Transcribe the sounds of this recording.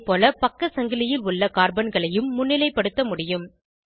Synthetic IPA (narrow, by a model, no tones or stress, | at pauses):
pːoːlɐpɐkːɐsɐŋɡɪlɪjɪlʊɭːɐkaːɾbɐnɡɐɭɐjɯmːʊnːɪlɐɪpːɐɽɯt̪ːɐmʊɽɪjɯm